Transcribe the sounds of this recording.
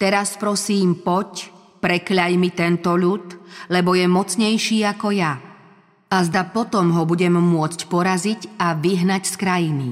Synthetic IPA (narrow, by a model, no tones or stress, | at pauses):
t̪ɛɾaspɾɔsiːmpɔc | pɾɛkʎajmit̪ɛnt̪ɔʎut̪lɛbɔjɛmɔt͡sɲɛjʃiːakɔja | azd̪apɔt̪ɔmɦɔbuɟɛmːʊɔt͡scpɔɾazicaʋiɦnacskɾajinḭ